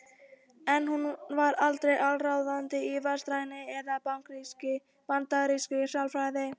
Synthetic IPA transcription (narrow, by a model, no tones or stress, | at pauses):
ɛnhunvaɾalt̪ɾɛjʔalrawðant̪ɪivast̪ɾajnɪɛðapawŋkɾ | pant̪aɾiskʏsalfɾajðɪ